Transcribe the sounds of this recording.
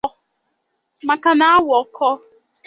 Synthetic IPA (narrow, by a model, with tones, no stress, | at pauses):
ma˨ka˨na˦a˦wɔ˨kʰɔ˦